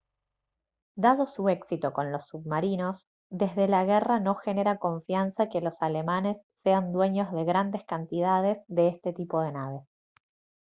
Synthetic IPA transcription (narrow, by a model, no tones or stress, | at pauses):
d̪aðo̞sue̞ksit̪o̞ko̞nlo̞sːuβmaɾino̞s | d̪e̞zðe̞laɣerano̞xe̞ne̞ɾako̞ɱfjansake̞lo̞sale̞mane̞sːe̞and̪we̞ɲo̞zðe̞ɣɾand̪e̞skant̪iðað̞e̞zðe̞est̪e̞t̪ipo̞ð̞e̞naβe̞s